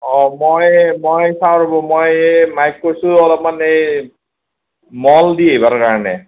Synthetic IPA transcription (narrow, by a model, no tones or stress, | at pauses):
ɔmojmojsawɹobɔmojmajkːojsʊɔlɔp̚manej | mɔldiebaɹkaɹɔnɛ